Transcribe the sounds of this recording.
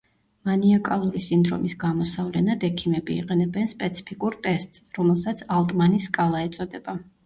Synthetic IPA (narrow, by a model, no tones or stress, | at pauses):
maniakʼalˠuɾisind̪ɾɔ̰misɡamɔsavlɛnad̪ɛkʰimɛbḭːqʼɛnɛbɛnspʼɛt̪sʰi̥pʰikʼuɾt̪ʼɛst̪ʼsɾɔmɛlˠsat̪sʰalˠt̪ʼmaniskʼalˠaɛt̪sʼɔd̪ɛba